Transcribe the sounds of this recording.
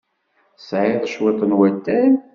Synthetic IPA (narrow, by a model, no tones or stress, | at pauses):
sʕeðˤəʃwɪt̪ˤənwæt̪ːæn